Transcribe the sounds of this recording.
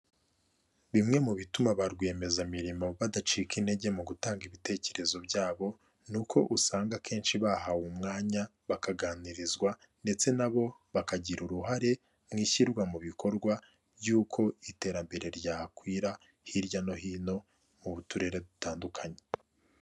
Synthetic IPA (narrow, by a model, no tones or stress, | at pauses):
βimŋe̞muβitumaβaɾɡwe̞ːme̞zamiɾimo̞βadat͡ʃiːkine̞ɟe̞muɡutaːŋɡiβite̞ːce̞ɾe̞zo̞bɟaːβo̞ | nukʰo̞̰ʔusaːŋɡakʰe̞ːnʃiβaɦawumŋaːɲa | βakaɡaːniɾizɡwa | nde̞t͡se̞naβo̞βakaɟiɾuɾuɦaɾe̞ | mŋiːçiɾɡwamuβikʰo̞ɾɡwa | bjuːkʰo̞ite̞ːɾambe̞ɾe̞ɾɟaːkwiːɾa | hiɾɟano̞hiːno̞ | muβutuɾe̞ɾe̞dutaːndukʰaɲe̥